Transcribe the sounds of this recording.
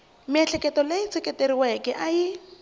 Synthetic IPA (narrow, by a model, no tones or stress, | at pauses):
mɪɛɬʰɛkʼɛtɔlet͡sʰekʼɛteɾiwɛkɛʔajɪ